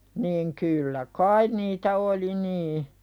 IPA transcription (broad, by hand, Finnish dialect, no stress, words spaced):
niːŋ kylːæ kɑin niːtæ oli niː